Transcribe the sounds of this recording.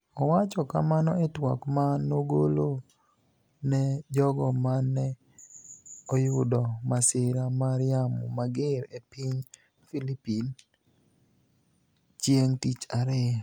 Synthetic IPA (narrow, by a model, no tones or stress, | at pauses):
ɔwat͡ʃɔka̰manɔetwɔ̰kmanoɡolo | nɛd͡ʒɔɡɔmanɛ | ojʊdɔmasɪɾamaɾɪamṵmaɡɪɾepiɲ | filipin | t͡ʃjeŋtit͡ʃaɾe